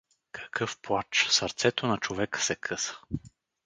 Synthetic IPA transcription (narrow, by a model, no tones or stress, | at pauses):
kʰɐ̥kɤfplˠat͡ʃsəɾt̪sɛt̪onɐt͡ʃovɛkə̥sɛkʰɤsə̥